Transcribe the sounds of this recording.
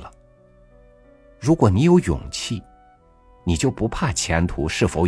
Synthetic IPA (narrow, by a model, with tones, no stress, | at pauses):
ə˩ | ɻu˧˥kwɔ˨˩ni˧˥jo˧˥ʊjʊ̰˨˩ŋt͡ɕʰi˥˩ | ni˨˩t͡ɕjo˥˩ʊpu˧˥pʰa˥˩t͡ɕʰjɛ˧˥nt̪ʰu˧˥ʂɻ̩˥˩fo˧˥ʊ